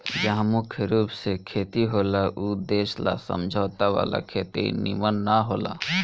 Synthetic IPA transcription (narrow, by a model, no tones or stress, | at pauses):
d͡ʒaɦmʊkʰjɾuːpsekʰeːt̪iɦoːlaʔud̪eːʃla̰sə̰md͡ʒʱaːt̪aʋa̰ːla̰kʰeːt̪ḛnimənːaɦoːla̰